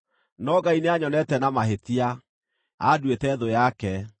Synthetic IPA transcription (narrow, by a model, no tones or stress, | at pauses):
nɔɡaineaɲɔnɛtɛnamaɦetia | adwetɛðojakɛ